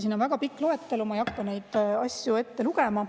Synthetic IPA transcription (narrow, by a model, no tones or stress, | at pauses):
sinːonvæɡ̥ɑpikːˑloet̪ːˑelumɑjɑkˑːɑne̞jd̪̥ɑsʲjue̞t̪ːeluɡemɑ